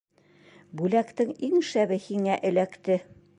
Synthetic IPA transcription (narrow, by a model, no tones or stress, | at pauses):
bʉlækt̪ɘŋiŋʃæβɘhiŋæʔɘ̆lækt̪ɘ